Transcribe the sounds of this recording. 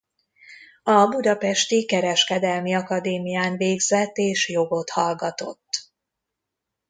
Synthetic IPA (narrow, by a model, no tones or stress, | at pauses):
ɒbud̪ɒpɛʃt̪ikɛɾɛʃkɛd̪ɛlmiɒkɒd̪eːmijaːnveːɡzɛt̪ːeːʃjo̞ɡo̞t̪hɒlɡɒt̪o̞t̪ː